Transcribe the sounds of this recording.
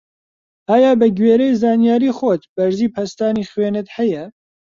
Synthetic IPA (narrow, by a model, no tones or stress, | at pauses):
ʔaːjaːbɛɡweːɾejzɑːnijaːɾiːxot̪b̥ɐɾziːpʰɐst̪aːnixweːnɨt̪hɛjɛ